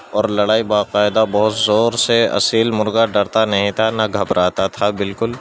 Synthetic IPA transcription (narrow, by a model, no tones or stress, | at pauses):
ɔːɾlɐɽaːibaːqaːɪd̪abɐɦʊt̪zɔːɾseɐ̰siːlmʊɾɡaɖɐɾt̪anɐɦĩt̪ʰanɐɡʱɐbɾaːt̪at̪ʰabɪlkʊl